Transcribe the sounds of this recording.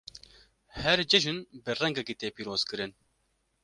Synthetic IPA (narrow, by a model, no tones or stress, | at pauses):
hɛɾd͡ʒɨʒɨnbɨrɛŋɡɛkiːt̪eːpiːɾoːz̥kɨɾɨn